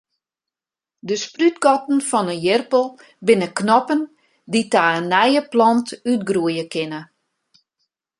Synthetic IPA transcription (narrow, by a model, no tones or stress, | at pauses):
dəsprytɡɔtn̩fɔnəjɪrpəlˠ | bɪnəknɔpən | ditaːənːɛjəplɔntytɡruəjəkʰɪnə